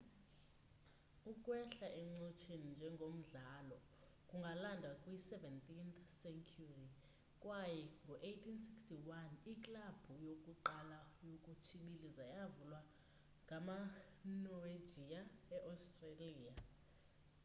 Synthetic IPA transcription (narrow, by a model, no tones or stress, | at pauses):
ukʼwɛɬaʔɛŋ͡ǀot͡ʃʰenind͡ʒʱɛŋɡʱom̩ɮalɔ | kʼuŋɡʱalandʱwakʼwisɛvɛntʼinθsɛŋkʰuri | kʼwajɛŋɡʱɔʔejtʰinsikstʰiwanikʼlab̥ʱujokʼuǃalajokʼut͡ʃʰiɓilizajavulwa | ŋʱama | nɔve̥d͡ʒʱijaɛʔastʼreliːja